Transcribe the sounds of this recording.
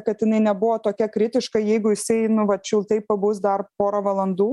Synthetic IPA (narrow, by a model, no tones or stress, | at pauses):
kɐt̪jɪnɐɪnʲɛbʊʋoːt̪oːkʲɛkɾʲɪt̪ʲɪʃkɐɪjɛɪɡʊjɪsɐɪnʊʋɐtt͡ʃʲʊlˠt̪ɐɪppɐbʊsd̪ɐrpoːɾoʋɐlˠɐnd̪uː